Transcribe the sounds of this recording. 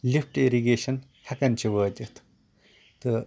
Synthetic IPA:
lifʰʈeɾiɡeːʃɐn | hɐkɐnt͡ʃʰiʋɐːt̪ɐt̪ʰ | t̪ɨ

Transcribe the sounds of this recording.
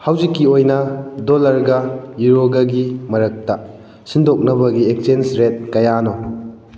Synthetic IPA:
hawzikːiojnɐdolɐɾɡɐjuɾoɡɐɡimɐɾɐk̚tɐ | sindok̚nɐbɐɡiek̚sensɾet̚kɐjano

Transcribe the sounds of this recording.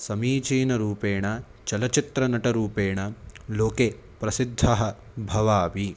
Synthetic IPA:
sɐmiːt͡ʃiːnɐɾuːpeːɳɐ | t͡ʃɐlɐt͡ʃit̪ɾɐnɐʈɐɾuːpeːɳɐloːke | pɾɐsid̪ʱːɐɦɐ̆ | bʱɐʋaːʋi

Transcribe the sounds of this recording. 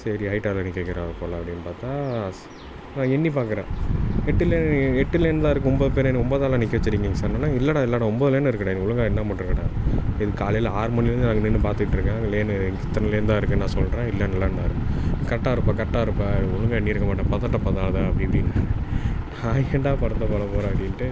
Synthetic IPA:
sɐɾiɦɐɪʈːaːlanɪkːekːɪɾaːɾɐpoːlɐɐpːɐɽɪnːpaːɾt̪ãː | nãːɛnːip̬aːɾkɐɾẽːɛʈːɪleɛʈːɪlːɛnːd̪aːɪɾɯkːɯ̃ɔmboːðɯpeːɾɛnːɔmboːðaːlaːnɪkːeʋɐt͡ʃːɪɾiːŋɡeːŋɡɐsaɾnɐnːaːɪlːaːɽãɪlːaːɽɐ̃ɔmboːðɐleːnːɯɪɾɯkːɐɽãːɛnʊɭʊŋɡaɛnːɐmɐʈːɯɾɯkːɐɽã̰ːɪðɯkːaːlɐjlɐaːɾɯmɐnːɪlɾɯnd̪ɯnaːŋɡɐnːinːɯpaːɾt̪ɯkːɪʈːɾɯkːẽːŋɡɐleːnɯŋɪt̪ːɐnɐɪleɾɯnd̪aːɪɾɯkːɯnãːsɔlɾẽːɪlːɐnɛlːɐɳɖaːɪɾɯpːakɐʈːaːɪɾɯpːaːkɐʈːaːɪɾɯpːãːʊɭʊŋɡaɛnːiɪɾɯkːɐmaːʈːãːpɐðaːʈːãpɐðaːðaːɐpːɐɽipɐɽɪnː | nãːɳɖaːpɐɾɐnd̪ɐpoːlɐpoːɾãːɐpɐɽɪnʈːɯ

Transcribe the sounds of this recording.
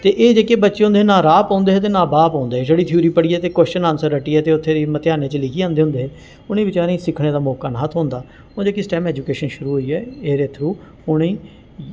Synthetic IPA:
t̪eːʔeːd͡ʒeːkeːbətːʃeːɦʊ̃nd̪eɦeːnãːɾaːpãːnd̪eːɦɛːt̪̬eːnãːbaːpãːnd̪eːɦɛːd͡ʒeːɽiːt̪ʰuːɾiːpəɽiːɛːt̪eːkwəst͡ʃənãːnsəɾːəʈiːɛːt̪eːʊt̪ʰːeːd̪emət̪ɪjaːneːt͡ʃəlɪkʰiːãːnd̪eːɦʊ̃nd̪eːɦɛː | ʊniːbɪt͡ʃaːɾẽĩːsɪkʰɽ̃eːd̪aːmoːkaːnaːt̪ʰɦõːnd̪aː | ʊd͡ʒeːkisʈɛːmɛːd͡ʒuːkeːʃənʃʊɾuːɦoːiːɛːeːɾeːt̪ʰɾuː | ʊnẽː

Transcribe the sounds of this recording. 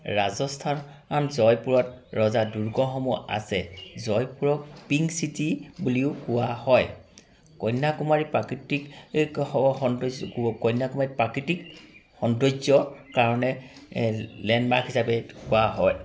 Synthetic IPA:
ɹazɔstʰan | anzɔjpuɹɔt̚ɹɔzaduɹɡɔxɔmua̰sɛzɔjpuɹɔkpiŋsitibuliʊkʊwahɔj | kɔjnːakumaɹipɹakitik | xɔndɔkɔjnːakumaɹipɹakitikxɔndɔzɔkaɹɔnɛ | lɛndmaɹkhisapɛkʊwaɦɔj

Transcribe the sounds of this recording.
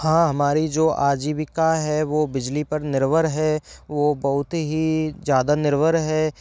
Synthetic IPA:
ɦãːɦɐmaːɾid͡ʒoːʔaːd͡ʒiːbɪkaɦɛʋoːbɪd͡ʒlipɐɾnɪɾʋəɾɦɛʋoːbɐɦʊt̪ɦizjaːd̪anɪɾʋəɾɦɛː

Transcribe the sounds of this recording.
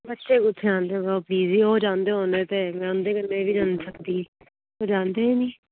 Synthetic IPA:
bətːʃeːkʊt̪ʰːãːnd̪eːoɡaːpliːziːoːd͡ʒãːnd̪eːɦoːnd̪eːt̪eːmɛ̃ːʊnd̪eːkənːẽːʋiːd͡ʒaːnsəkd̪iː | oːd͡ʒãːnd̪eːɦɛːnĩː

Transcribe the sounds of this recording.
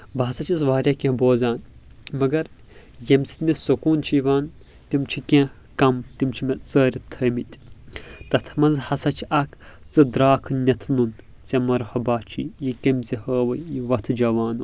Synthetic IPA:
baɦsɐt͡ʃʰisʋaːɾʲakʲẽboːzʲaːnmɐɡɐɾ | jɐmsi̥t̪misɐkuːnt͡ʃʰiʋaːn | t̪imt͡ʃʰikʲẽ | kɐmt̪imt͡ʃʰimʲet͡səːɾʲit̪ʰɐːmit̪ʲt̪ɐt̪ʰmɐnzhɐsɐt͡ʃʰiɐkʰt͡sɨd̪ɾaːkʰnʲɐt̪ʰnun | t͡sɐmɐɾhɐbaːt͡ʃʰḭjikɐmʲt͡sihəːʋɐjjiʋɐt̪ʰd͡ʒɐʋaːnu

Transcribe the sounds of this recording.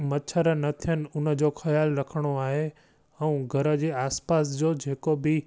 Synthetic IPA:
mɐt͡ɕʰəɾənɐt̪ʰijənɪ̆ʊnə̆d͡ʑoːxɐjaːlɾɐkʰəɽ̃oaːɦe | ɛ̃ũɡʱɐɾə̆d͡ʑeːaːspaːs̬d͡ʑoːd͡ʑeːkobɪ

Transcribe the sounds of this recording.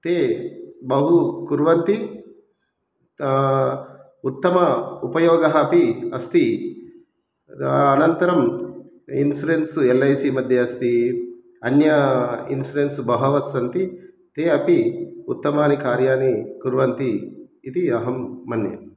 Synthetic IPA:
t̪eːbɐɦukuɾʋɐnt̪i | ut̪ːɐmɐupɐjoːɡɐɦɐɐpiɐst̪i | ɐnɐnt̪ɐɾɐm | insuɾensuelːɐjsiːmɐd̪ʱjɐɐst̪i | ɐnjɐḭnsuɾensubɐɦɐʋɐsɐnt̪i | t̪eːɐpiut̪ːɐmaːnikaːɾjaːnikuɾʋɐnt̪iːt̪iɐɦɐmːɐnjɐ̰m

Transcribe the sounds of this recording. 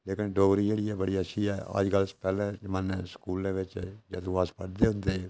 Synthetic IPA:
leːkɪnɖoːɡɾiːd͡ʒeːɽiːɛːbəɽiːəʃʰiːɛːə̰d͡ʒɡəlspɛːlɛ̃ːmənsə̥kuːlãːʋɪt͡ʃd͡ʒəd̪ũːaːspəɽd̪eːɦʊ̃nd̪eː

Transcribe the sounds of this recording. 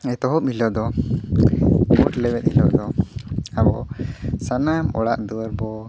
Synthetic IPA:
ɛt̪ɔɦɔp̚hilɔʔd̪ɔ | bɔʈlɛwɛt̪̚hilɔ̰ʔd̪ɔabɔsanamɔ̰ɽa̰ʔd̪uwəɾbɔ

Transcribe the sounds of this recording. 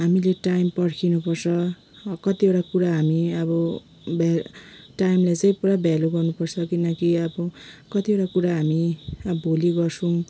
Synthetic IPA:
ɦamileʈajmpʌɽkʰinupʌrt͡sʰʌ | kʌt̪ieʈakuɾaɦamiʌbʌ | bʱaʈajmlajt͡sʌj̃puɾabʱjaloɡʌrnupʌrt͡sʰʌkinʌkiʌbʌkʌt̪ieʈakuɾaɦamiʌbʱoliɡʌrsʰuw̃

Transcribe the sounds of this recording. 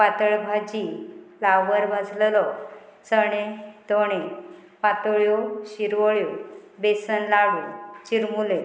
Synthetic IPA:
pat̪əɭbʱad͡ʑilawʋəɾbʱad͡zllɔt͡səɽ̃ẽt̪oɽ̃ẽpat̪əɭjɔɕiɾʋəɭjɔbesənlaɽut͡ɕiɾmule

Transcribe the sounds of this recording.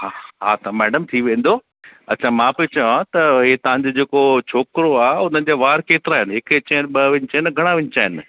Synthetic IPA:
ɦaɦat̪ɐmɛːɖəmt̪ʰiʋẽːn̆d̪oː | ɐtːt͡ɕʰamãːpɐot͡ɕɐjãt̪ɐɦet̪ɐʋ̤ãɲd͡ʑod͡ʑeːkot͡ɕʰoːkɾoaːɦeʊnən̆d͡ʑaːʋaːɾkeːt̪ɪɾaːɦɪnɦɪket͡ɕɐɪnɓɐʋɪ̃ɲɪt͡ɕaːɪnɡʱɐɽ̃aʋɪ̃ɲt͡ɕaːɦɪnɪ

